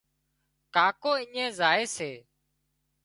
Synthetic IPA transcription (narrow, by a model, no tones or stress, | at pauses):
kaːkoːiːẽːzaːeːseː